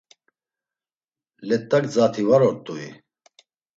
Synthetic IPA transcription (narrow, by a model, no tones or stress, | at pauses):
lɛt̪ːɐkd͡zaːt̪ʰivaɾɔɾt̪ʼui